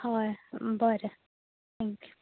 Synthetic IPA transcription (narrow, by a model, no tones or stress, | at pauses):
hɑːbɑːɾə | t̪ʰɛŋk